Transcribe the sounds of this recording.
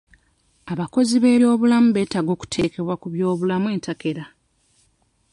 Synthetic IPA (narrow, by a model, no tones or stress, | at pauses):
aβako̞ziβe̞ːɾjo̞ːβulamuβe̞ːtaɡo̞ːku̥tʰe̞ːke̞βwakuβjo̞ːβulamue̞ːntake̞ɾa